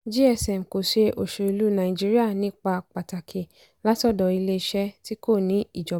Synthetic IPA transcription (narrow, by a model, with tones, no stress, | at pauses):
d͡ʒi˦ɛ˧˨sɛ˨m˨ko˨ʃe˧ʔo˨ʃo˨i˧lu˦nã˨ĩ˨d͡ʒi˦ɾi˦a˦˨nĩ˨˦k͡pa˧k͡pa˨ta˨kʰe˨ | la˦tɔ˦˨dɔ˨˧i˧le˧˦˧ʃɛ˦ti˦ko˦˨nĩ˨˦i˦˨d͡ʒɔ˨˦